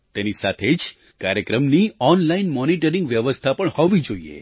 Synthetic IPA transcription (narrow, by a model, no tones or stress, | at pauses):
t̪enisat̪ʰed͡ʒ | kaɾjəkɾəmniɔnlainmɔniʈəɾĩŋɡʋjəʋəst̪ʰapəɳhɔʋid͡ʒoḭḛ